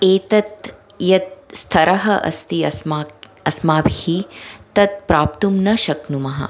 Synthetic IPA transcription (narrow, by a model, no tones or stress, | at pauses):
eːt̪ɐt̪ | jɐt̪̚st̪ʰɐɾɐɦɐʔɐ̰st̪iɐsmaː | ɐsmaːbhit̪ɐt̪̚pɾaːp̚t̪umnɐʃɐknumɐɦɐ̰